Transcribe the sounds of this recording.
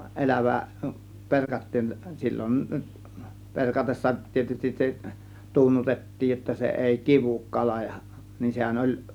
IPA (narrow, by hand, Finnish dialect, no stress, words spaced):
ʔelæʋæ perkɑtːiːn silʲːon perkɑtesːɑ tietystis se tunːutetːiːj jotːɑ se eˑi kiʋuk kɑlɑ jɑ nin sehæn olʲ